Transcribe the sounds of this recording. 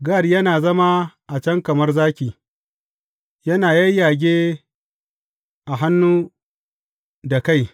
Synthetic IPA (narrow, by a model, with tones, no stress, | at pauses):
ɡa˦˨rjɐ˦naː˨zɐ˦ma˦ʔa˨t͡ʃɐ˦ŋkɐ˨mɐ˦rzaː˦kʲiː˨ | jɐ˦naː˨ja˦jjaː˨ɡʲeː˦ | ʔa˨ɦa˦nːuː˦ | da˨ka˦˨j